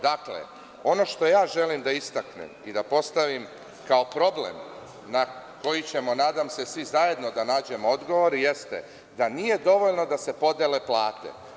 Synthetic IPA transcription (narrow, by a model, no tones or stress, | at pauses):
d̪aklḛ | o̞no̞ʃt̪o̞jaːʒe̞limd̪aist̪aknḛmid̪apo̞st̪aʋim | kao̞pɾo̞blḛm | nako̞jit͡ɕe̞mo̞naːd̪amse̞sʋizaje̞d̪no̞d̪anaːd͡ʑe̞moo̞d̪ɡo̞ʋo̞ɾje̞st̪ḛ | d̪anije̞d̪o̞ʋoʎno̞d̪ase̞po̞d̪ele̞plˠaːt̪ḛ